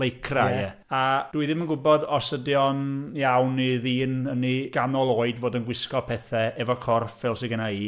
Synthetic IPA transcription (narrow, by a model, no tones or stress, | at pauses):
lejkʰraɛ | ad̥uːɨðɪmənɡʊbɔdɔsədjɔnjawniðiːnəniɡ̥anɔlˠoːɨdvoːdənɡwɪskɔpʰɛθɛɛvɔkʰɔrfɛlˠsɪɡənaiː